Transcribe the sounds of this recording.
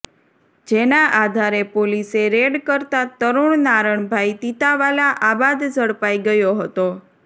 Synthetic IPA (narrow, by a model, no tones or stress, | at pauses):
d͡ʒenaʔad̪ʱaɾepoliseɾeɖkəɾt̪at̪əɾuɳnaɾəɳbʱajt̪it̪aʋalaʔabad̪d͡ʒəɽpaiɡəjoɦət̪o